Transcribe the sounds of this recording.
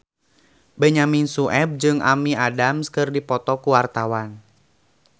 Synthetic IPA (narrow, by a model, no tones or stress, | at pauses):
bəɲaminsuʔɛb̚d͡ʒɨŋa̰miadamskɨrdipɔt̪ɔkuwart̪awan